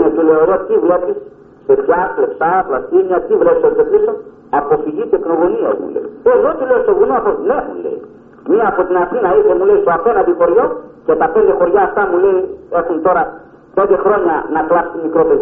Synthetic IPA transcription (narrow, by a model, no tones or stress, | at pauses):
net̪uleoðot̪ivlepisː | eɾjaslepsaplast̪imiɐt̪ivlepisoɾt̪episo | apofiʝit̪eknoɣoniɐ̰ḭmṵlḛieðot̪ileosoɣunoaponexṵnlḛḭ | miɐːpot̪inaθinɐiθemuleisoapenɐðixoɾʝocet̪ɐpend̪exoɾʝaːft̪amuleiexunt̪o̞ɾɐ | pend̪exɾo̞ɲɐ̰nɐt̪uast̪imikɾopeð